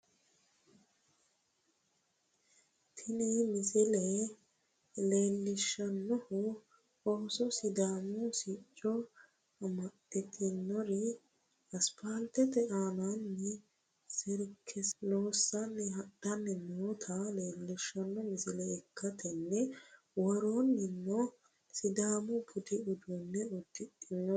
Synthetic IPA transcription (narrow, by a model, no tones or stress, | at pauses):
t̪ʰɪnɪmɪsɪlɛ | leːlːɪʃːɐnːɔhʊ | oːsɔsɪd̪aːmɔsit͡ʃʼːɔ | ɐmɐt̪ʼːɪt̪ʰɪnːɔɾɪ | ɐspaːlt̪ɛt̪ɛʔaːnanːɛ | sɪɾkʰːɛloːsːɐnːɛhɐɗɐnːɛnoːt̪ʰɐle̞ːlːɪʃːɐnːɔmɪsɪlɛːkːɐt̪ʰɛnːɛ | wɔɾonːɪnːɔ | sɪd̪aːmɔbʊd̪ɪʊd̪unːɛʊd̪ːɪt̪ʼːɪnːɔ